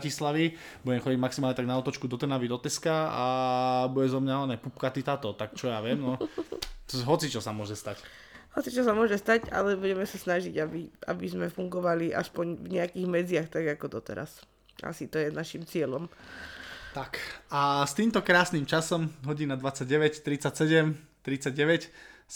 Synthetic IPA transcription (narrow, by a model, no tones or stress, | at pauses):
cislaʋi | buɟɛmxɔɟiɟmaksimalɲɛt̪aɡnaɔt̪ɔt͡ʃkud̪ɔt̪ɛɾnaʋid̪ɔt̪ɛskaabuɟɛzɔmɲaanɛpup̚kat̪it̪at̪ɔt̪akt͡ʃɔjaʋɪɛmnɔ | ɦɔt͡sit͡ʃɔsamʊɔʒɛst̪ac | hɔt͡sit͡ʃɔsamʊɔʒɛst̪aca̰lɛbuɟɛmɛsasnaʒiɟabiʔa̰bizmɛfuŋɡɔʋaliʔa̰spɔɲvɲɛakiːɣmɛd͡zɪaxt̪aɡakɔd̪ɔt̪ɛ̰ɾa̰s | a̰sit̪ɔjɛnaʃimt͡sɪɛlɔm | t̪akast̪iːmt̪ɔkɾaːsniːmt͡ʃasɔmɦɔɟinad̪ʋat͡sːaɟ̚ɟɛʋɛct̪ɾit͡sacsɛɟɛmt̪ɾit͡sːaɟɟɛʋɛc